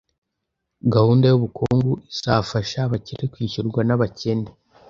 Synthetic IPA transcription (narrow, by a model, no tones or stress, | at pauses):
ɡahuːndajuβukʰoːŋɡuizafaʃaβaciɾekwiːçuɾɡwanaβace̞ne